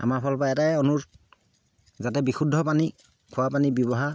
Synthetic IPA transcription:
a̰maɹpʰɔlpaɛtajɔnuɹ | zatɛbixudʱːɔpani | kʰʊwapanibjɔβɔɦa

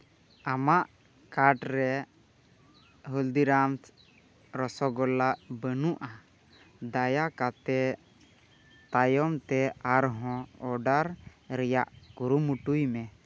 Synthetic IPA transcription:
amaʔ | kaɾʈɾɛ | ɦuld̪iɾamt̪ | ɾɔsɔɡɔlaʔbənuʔa | d̪ajakat̪ɛ | t̪ajɔmt̪ɛaɾɦɔ̃ɔɖaɾɾɛjaʔkuɾumuʈujmɛ

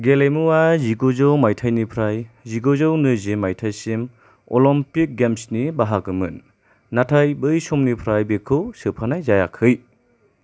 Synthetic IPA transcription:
ɡelemuwaziɡozɯwmajtʰajnipʰɾajziɡozɯwnɯzimajtʰajsim | ɔ̰lɔmpik̚ɡemsnibaɦakɯmɯ̰nː | atʰajbɯjsɔmnipʰɾajbekʰɯwsɯpʰanajzaja̰kʰɯj

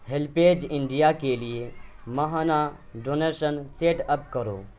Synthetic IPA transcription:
ɦelpeːd͡ʒɪ̃ɳɖijakelije | mɐɦaːna | ɖoːneːʃənseːʈɐpkɐɾo̰ː

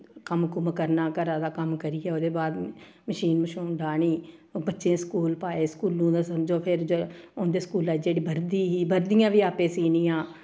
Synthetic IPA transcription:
kəmkʊməkəɾnaːkəɾãːd̪aːkəmkəɾiːɛːoːd̪eːbaːd̪ | məʃiːnməʃuːɖaːɳ̃iːbətːʃẽːskuːlpaːeːskuːlnũːd̪aːsəmd͡ʒoːpʰɪɾd͡ʒo | ʊnd̪eːskuːlaːd͡ʒeːɽiːbəɾd̪iːɦiːbəɾd̪ɪjãːʋiːaːpẽːsiːniːãː

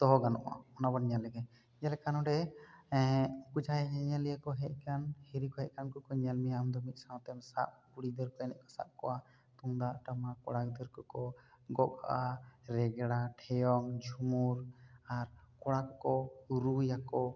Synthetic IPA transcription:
t̪ɔɦɔɡanɔ̰ʔa̰ɔnabanɲalɛɡɛ | ɲalɛkanɔɖɛ | kud͡ʒʱajɛɲaɲalijəkɔɦɛʔ̚kanhiɾikɔɦɛʔ̚kankɔkɔɲalmijamd̪ɔmit̪̚sãw̃t̪ɛmsa̰ʔ̚kuɽid̪əɾkɔɛnɛ̰ʔkɔ̥sa̰p̚kɔwa | t̪uŋd̪aʔʈamakɔɽak̚d̪əɾkɔkɔɡɔʔa̰ʔaɾɛɡɛɽaʈʰɛjɔŋd͡ʒʱumuɾaɾkɔɽakːɔuɾujakɔ

